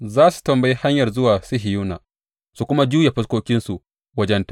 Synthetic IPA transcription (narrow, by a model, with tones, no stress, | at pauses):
zaː˦su̥˨tɐ˨mbɐ˦ji˦ha˦ɲjɐ˨rzʊ˦waː˨sɪ˦ɦɪ˨juː˦na̰˨ | su˨kʷʊ˦ma˦d͡ʒuː˦ja˨ɸɐ˦skʷoː˦kʲɪ˦nsu˨ | wɐ˦d͡ʒɛ˦ntḁ˨